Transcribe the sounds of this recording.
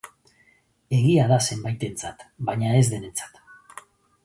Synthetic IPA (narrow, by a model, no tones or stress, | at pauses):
e̞ɣiaðase̞mbajt̪e̞nt͡sat̪baɲaezðe̞ne̞nt͡sḁt̪